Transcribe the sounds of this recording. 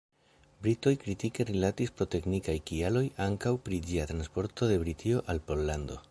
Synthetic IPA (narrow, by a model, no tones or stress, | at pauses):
bɾito̞jkɾitike̞rilatispɾo̞te̞knikajkialo̞jaŋkawpɾid͡ʒiat̪ɾanspo̞ɾto̞de̞bɾitʰio̞ʔalpo̞lːando̞